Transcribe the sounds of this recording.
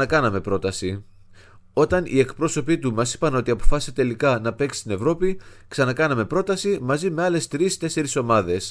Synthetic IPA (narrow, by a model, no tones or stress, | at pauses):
ɐkɐnɐme̞pɾo̞t̪ɐsi | o̞t̪ɐnḭe̞kpɾo̞so̞pit̪umɐsi̥pɐno̞t̪iɐpo̞fɐsi̥set̪e̞likɐnɐpe̞ksi̥st̪ine̞vɾo̞pi | ksɐnɐkɐnɐme̞pɾo̞t̪ɐsimɐzime̞ɐle̞st̪ɾist̪e̞se̞ɾiso̞mɐðe̞s